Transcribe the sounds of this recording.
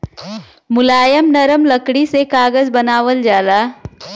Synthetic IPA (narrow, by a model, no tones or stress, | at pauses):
mʊlaːjəmnɐɾəmlɐkɽisekaːɡəzbɐnaːʋəld͡ʒaːlaː